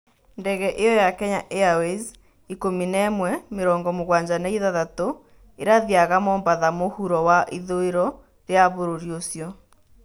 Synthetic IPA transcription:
ndɛɣɛʔejɔjakɛɲa̰ʔeawez | ikominɛmwɛmeɾɔːŋɡɔmoɣwaɲd͡ʑanaiðaðato | eɾaðjaɣamɔːmbaðamohuɾɔwaʔiðoeɾɔ | ɾeaβoɾoɾiosjɔ

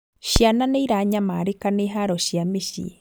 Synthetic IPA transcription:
ʃiananeiɾaɲamaɾekaneɦaɾɔʃiameʃḭ

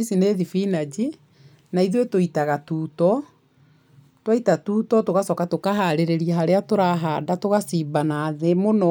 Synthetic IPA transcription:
isineðifinad͡ʑi | naiðwetoitaɣatuːtɔ | twaitatuːtɔtoɣasɔkatokaɦaɾeɾeɾiaɦaɾeatoɾaɦadatoɣasiːbanaːðemonɔ

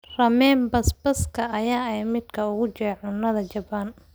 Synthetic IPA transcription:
rɐmɛːmbɐsbɐskʰɐʔːjaːɛjmɪd̪kʰɐʊɣʊt͡ʃɛːʕʊnːɐðɐt͡ʃɐban

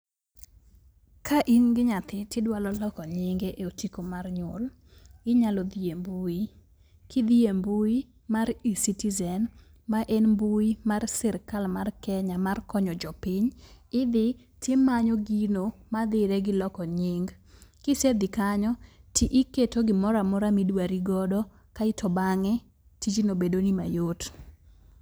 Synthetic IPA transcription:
kaʔinɡɪɲat̪ɪtɪdwalɔlɔkɔɲɪŋɡeʔeotikomarɲol | ɪɲalɔd̪iembui | kʰid̪iembui | maɾisitizɛn | maʔenmbuimarsɪɾkalmarkɛɲamarkɔɲɔd͡ʒɔpɪɲɪd̪ɪ | tjemaɲɔɡinomad̪ɪɾɛɡɪlɔkɔɲɪŋɡ | kɪsed̪ɪkaɲɔtiʔiketoɡɪmɔɾamɔɾamidwaɾiɡɔdɔ | kaɪtʰɔbaŋɛ | tid͡ʒinobedonima̰jot

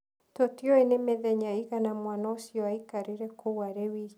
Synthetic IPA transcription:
totiɔenemeðɛɲaiɣanamwanaosjɔaikaɾiɾɛkowaɾewi

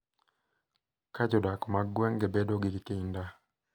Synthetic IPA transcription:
kad͡ʒɔdakmaɡwɛŋɡɛbɛdoɡikikɪnda

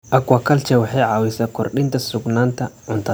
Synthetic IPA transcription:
ʔɐkwakʰɐlt͡ʃɛwɑħɑjʕɑːwisaːkʰɔrɗɪnt̪ʰɐsʊɡnaːnt̪ʰɐʕʊnt̪ʰɐ

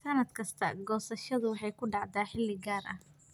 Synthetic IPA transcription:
sɐnɐd̪kʰɐst̪ʰɐɡɔːsɐʃɐðʊwɑħɑjkʰʊɖɑʕd̪aːħɪlːɪɡaːrʔɐh

